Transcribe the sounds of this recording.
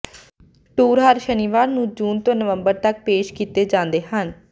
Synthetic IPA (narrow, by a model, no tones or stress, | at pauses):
ʈuːɾɦəɾʃəniʋaːɾnũːd͡ʒuːnt̪õːnəʋəmbəɾt̪ək̚peːʃkiːt̪eːd͡ʒãːnd̪eːɦən